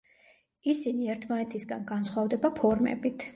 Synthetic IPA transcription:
isiniɛɾt̪ʰmanɛt̪ʰisɡanɡansχwavd̪ɛbapʰɔɾmɛ̰bit̪ʰ

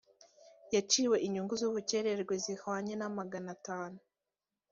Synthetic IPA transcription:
jat͡ʃiːwe̞ʔiɲuŋɡuzuβuce̞ɾe̞ɾɡwezihaɲe̞namaɡanataːnu

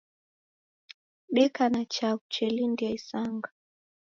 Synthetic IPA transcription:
ɓɛkanat͡ʃaut͡ʃɛlindiaisaŋɡa

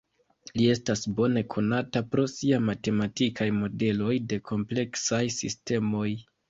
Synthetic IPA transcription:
lie̞stasbo̞ne̞kʰo̞natapɾo̞siamate̞matikʰajmo̞de̞lo̞jde̞kʰo̞mple̞ksajsḭste̞mo̞j

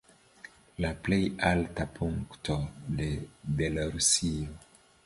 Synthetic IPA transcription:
laplejaltapʰuŋktʰodebelaɾusio

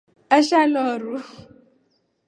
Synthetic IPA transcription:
aʃalɔɾu

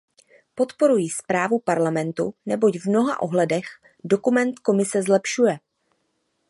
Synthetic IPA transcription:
po̞t̪po̞ɾujiːspɾaːvupaɾlamɛnt̪unɛbo̞cvmno̞ɦa̰ʔo̞ɦlɛdɛx | do̞kumɛnt̪ko̞mɪsɛzlɛpʃujɛ

